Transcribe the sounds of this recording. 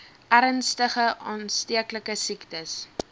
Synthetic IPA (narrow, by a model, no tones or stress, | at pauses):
ʔæɾənstəχəʔɑːnstiəkləkəsiktəs